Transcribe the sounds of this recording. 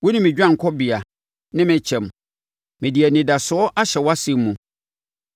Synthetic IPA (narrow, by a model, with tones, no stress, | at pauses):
wʊ˦nɪ̃˦mɪ̃˨d͡ʑᶣã˦ŋ˨kʰɔ˦bi˨a˨ | nɪ̃˦mɪ̃˨t͡ɕʰɛ̃˨m | mɪ̃˨di˨ɛ˨nɪ̃˨da˨sʊ˨˦ɔ˦ʔa˦ɕɛ˨wa˦sɪ˦m˦mũ˨